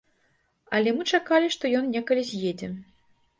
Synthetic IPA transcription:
ɐlʲɛmɨt͡ʂakalʲiʂt̪ɔjɔnnʲɛkɐlʲizʲjed͡zʲɛ

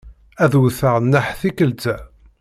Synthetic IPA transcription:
æðwθəʁnːəħθikəlt͡s̪æ

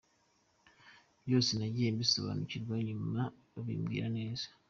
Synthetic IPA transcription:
βjo̞ːsinaɟiembiso̰βa̰nucidwaɲuma | βḭːmɡḭːɾane̞ːz̥ḁ

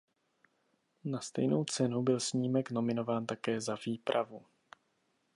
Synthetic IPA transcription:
nast̪ɛ̰jno̞wt͡sɛnubɪlsɲiːmɛkno̞mɪno̞vaːnt̪akɛːzaviːpɾʔavu

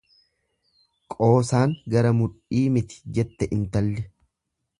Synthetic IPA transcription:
kʼo̞ːsaːŋɡɐɾɐmʊᶑiːmɪt̪ɪ̥d͡ʒɛt̪ːɛʔɪnt̪ɐlːɛ

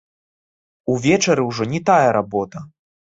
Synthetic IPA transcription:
uvʲɛt͡ʂɐɾɨwʐɔnʲit̪ajɐɾabɔt̪ɐ

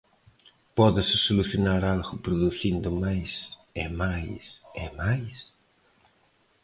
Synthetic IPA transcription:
pɔðɪsɪsoluθjonaɾalɣʊpɾoðuθind̪ʊmajsemajsɪ̰majs

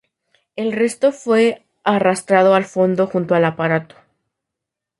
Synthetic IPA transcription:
e̞lre̞st̪o̞fwe̞ | arast̪ɾað̞o̞alfo̞nd̪o̞xunt̪oalapaɾat̪o̥

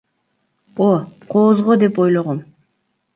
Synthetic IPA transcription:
oqʰoːzʁod̪e̞po̞jlˠoʁom

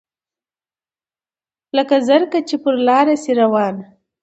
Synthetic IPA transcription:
ləkazaɾkat͡ʃepəɾlɑɾasiɾawɑn

